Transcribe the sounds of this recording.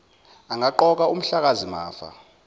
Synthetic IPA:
aŋaǃɔk̬aum̩ɬak̬azima̰ːfa̰

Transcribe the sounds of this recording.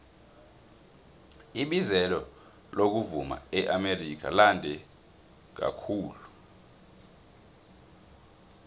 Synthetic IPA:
iɓizɛlɔ | lok̬uvuma̰ɛʔamerik̬ʰa̰landʱɛ | k̬a̰kʰuːlu

